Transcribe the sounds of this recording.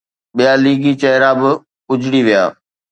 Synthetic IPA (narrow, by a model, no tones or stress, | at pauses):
ɓijaliːɡit͡ɕɐɦɪɾabɪ | ʊd͡ʑɽiʋija̰ː